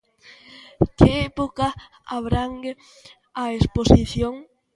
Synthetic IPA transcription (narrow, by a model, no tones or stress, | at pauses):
kɪɛpoka | aβɾaŋɡe | aesposiθjoŋ